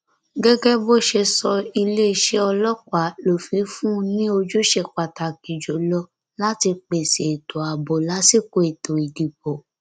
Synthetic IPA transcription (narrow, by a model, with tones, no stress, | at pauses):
ɡɛ˦ɡɛ˦bo˦˨ʃe˧sɔ˧i˧le˦i˧˨ʃe˦ɔ˧lɔ˦kʷa˨˦lo˨fĩ˨˦fũ˦nĩ˦o˧d͡ʒu˦ʃe˧k͡pa˨ta˨ki˨d͡ʒo˨˦lɔ˧˦ | la˦ti˧k͡pe˨se˨e˨to˨a˨bo˨la˨˦si˦˨ko˧˨e˨to˨i˨di˨bo˨